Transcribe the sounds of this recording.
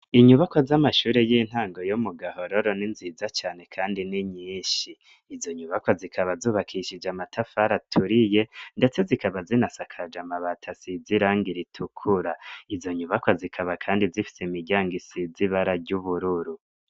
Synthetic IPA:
iɲuβakwazamaʃuːɾejiːn̥haːŋɡojomuɡaɦo̞ɾoɾo̞ninzizat͡ʃaːne̞kʰaːndiniɲiːʃiː | zo̞ɲuβakwazikʰaβazuːβakʰiʃid͡ʒamatʰafaɾatʰuɾije̞nde̞t͡se̞zikaβazinasakʰad͡ʒamaβatʰasiziɾaːŋɡiɾitʰukʰuɾaizo̞ɲuβakwazikʰaβakʰaːndizifi̥semiɟaːŋɡisiziβaɾaɡɟuβuɾuɾu

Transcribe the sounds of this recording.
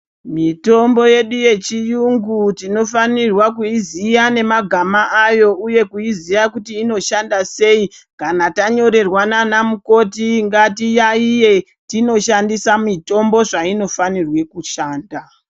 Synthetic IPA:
mito̞mbo̞je̞ɗuje̞t͡ʃijuŋɡutino̞fanirwakuizijane̞maɡʱamaʔajo̞uje̞kuizijakutiːno̞ʃandase̞ikanataɲo̞ɾe̞rwananamuko̞tiŋɡatijaije̞ | tino̞ʃandisamito̞mbo̞ʐaino̞fanirwe̞kuʃaːnda

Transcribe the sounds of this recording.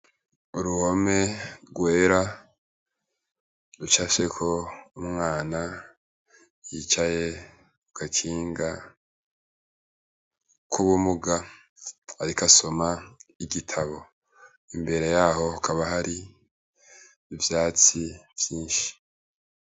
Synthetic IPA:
uɾuho̞me̞ɡwe̞ːɾa | ɾut͡ʃaʃe̞kʰo̞umŋaːna | jiːt͡ʃaje̞ | uɡakʰiːŋɡa | kʰuβumuɡa | aɾikaso̞maiɡitʰaβo̞ | imbe̞ɾe̞jaːho̞ukʰaβaɦaɾi | vjaːt͡siv̥jiːnʃi̥

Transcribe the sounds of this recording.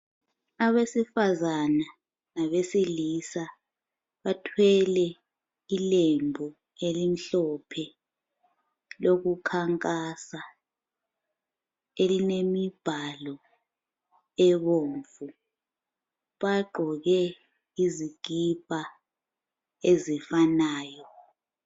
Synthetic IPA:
aβesifazana | naβesilisa | ɓatʰwɛlɛ | ilembʱu | elim̩ɬɔpʰɛ | lokukʰaŋkʼasa | elinemib̥ʱalɔ | ɛɓoːɱfu | ɓaɡ͡ǃʱɔɣɛ | iziɡ̥ʱib̥ʱa | ezifanaːjɔ

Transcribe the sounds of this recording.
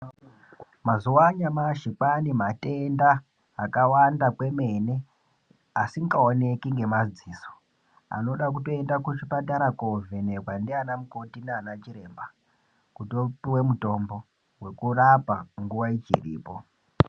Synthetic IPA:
mazuwaɲamaʃipanimate̞ndaː | kawandakwe̞me̞ne̞ | asiŋɡaone̞kiŋɡe̞mad͡ziːso̥ | a̰no̞ɗak̬uto̞e̞ndakut͡ʃipataɾakovʱenerwandianamuko̞tinaːnat͡ʃiɾe̞mba | kutopiwe̞muto̞mbo̞ | we̞kurapaŋɡuʋait͡ʃḭrḭːpo̞

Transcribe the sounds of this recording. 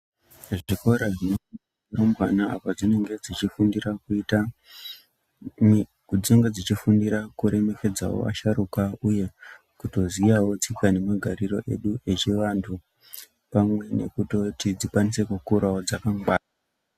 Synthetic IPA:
ʐikoɾaʐinno | iɾomwanaa̰pad͡zine̞ŋɡe̞d͡zit͡ʃifundiɾakuita | kud͡zeŋɡe̞d͡zit͡ʃifundiɾakuɾe̞me̞ke̞d͡za̰wo̰ʔa̰ʃaɾukauje̞ | kuto̞zijawo̞t͡sikane̞maɡʱaɾiro̞̰ʔe̞̰ɗue̞t͡ʃiʋantʰu | pamwe̞ne̞̰kuto̞tid͡zikwanise̞kukuɾaod͡zakaŋɡaːna

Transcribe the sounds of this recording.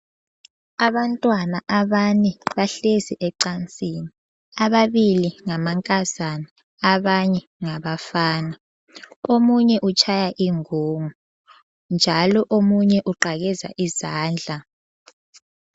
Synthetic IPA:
aβantʼwanaʔaβaniβaɬesiʔɛǃant͡sʼiːni | aβaβiliŋamaŋkʼazani | aβaɲɛ | ŋaβafaːna | omuɲɛʔut͡ʃʰʼajaʔiŋuːŋu | nd͡ʒʱalɔʔomuɲɛʔuǃaɣɛza̰ʔizaːnd͡ɮʱa

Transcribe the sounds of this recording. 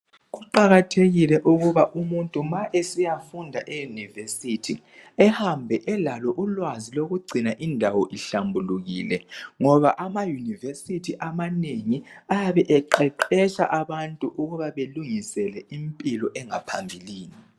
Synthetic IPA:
ɣuǃaɣatʰeɣilɛʔuɣuβaʔumuntʼumaʔesijafundʱa̰ʔejunivesitʰi | ɛhambʱɛʔɛlalɔʔulwaziloɣuɡ͡ǀʱinaʔindʱawɔʔiɬambʱuluɣilɛŋɔβaʔamajuniversitʰiʔamaneŋiajaβɛʔɛǃɛǃɛʃa̰ʔaβantʼuʔuɣuβaβeluŋisɛlɛimpʼilɔʔɛŋapʰambʱiliːni

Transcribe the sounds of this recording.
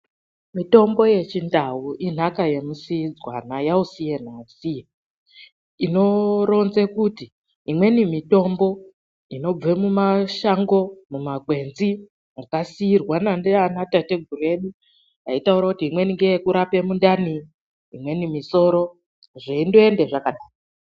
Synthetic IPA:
mito̞mbo̞je̞t͡ʃindawuʔin̤akaje̞musiid͡zwa̰najausijen̤asije | ino̞ro̞nzekutiː | mwe̞nimito̞mbo̞ | ino̞b͡ve̞mumaʃaŋɡo̞mumaɡʱwe̞nzi | jakasiirwanandeanatate̞ɡʱuɾue̞ɗu | aitauɾakutiːmwe̞niŋɡejekuɾape̞mundaniː | mwe̞nimiso̞ɾo̞ | ʐeindoe̞nde̞ʐakaɗaːro

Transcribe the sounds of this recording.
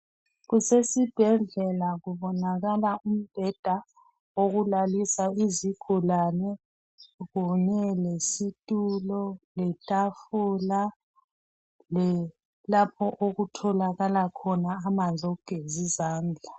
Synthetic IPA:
ɣusesib̥ʱɛɮɛlaɣuβɔnaɣalaum̩b̥ʱɛd̥ʱa | oɣulalisaiziɡ̥ʱulanɛ | ɣuɲɛlesitʼulɔlɛtʼafula | lɛ | lapʰɔʔoɣutʰɔlaɣalakʰɔnaːmand͡zʱouɡ̥ʱezizaːnd͡ɮʱa

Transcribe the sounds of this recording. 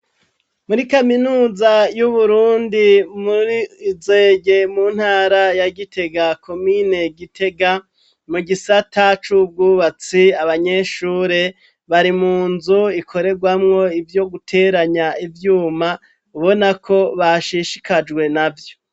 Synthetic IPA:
muɾikaminuːzajuβuɾuːndimuɾiːzeːɡe̞muːn̥haːɾajaɡitʰe̞ɡakʰo̞mine̞ɡitʰe̞ɡa | muɡisatat͡ʃub̚ɡuːβat͡siaβaɲe̞ʃuːɾe̞ | βaɾimuːnzuikʰo̞ɾe̞ɾɡwamŋo̞ivjo̞ɡutʰe̞ːɾaɲaivjuːma | uβonakʰo̞βaʃiʃi̥kʰad͡ʒɡwe̞navjo̞

